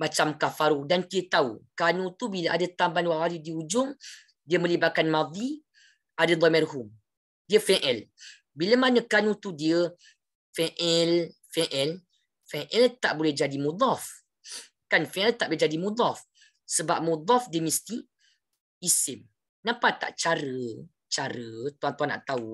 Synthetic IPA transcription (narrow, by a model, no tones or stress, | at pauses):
mat͡ʃamkafaɾudant̪iət̪aṵkanũt̪ubilaʔadat̪ambanwawalidiud͡ʒʊŋ | diəmə̃libakanmãd̪i | ʔadad̪ˤɔmɛrɦum | diəfɛʔɛl | biləmanə̃kanũt̪udiə | fɛʔɛlfɛʔɛl | fɛʔɛlt̪aʔbolɛhd͡ʒadimud̪ˤɔf | kanfɛʔɛlt̪aʔbolɛɦd͡ʒadimud̪ˤɔf | səbap̚mud̪ˤɔfdiəmist̪iː | sɪm | nãpat̪a̰ʔt͡ʃaɾə | t͡ʃaɾət̪uant̪uɦana̰ʔt̪au